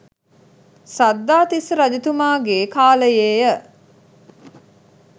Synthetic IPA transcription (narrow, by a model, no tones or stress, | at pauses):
sad̪ːaːt̪isɾad͡ʒit̪umaːɡeːkaːləjeːjə